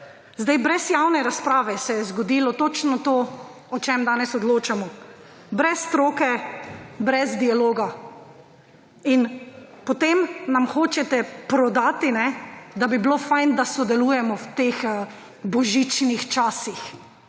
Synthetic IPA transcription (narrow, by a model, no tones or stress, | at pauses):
zd̪ajbɾɛsjawnɛɾaspɾaːʋɛsɛjɛzɡɔd̪ilɔt̪ot͡ʃnɔt̪oː | ɔt͡ʃɛmd̪aːnɛsɔd̪loːt͡ʃamɔ | bɾɛst̪ɾoːkɛ | bɾɛzd̪ialoːɡa | inpɔt̪emnamxoːt͡ʃɛt̪ɛpɾɔd̪aːt̪inɛd̪abiblofajnd̪asɔd̪ɛluːjɛmɔwt̪ex | bɔʒit͡ʃnixt͡ʃaːsix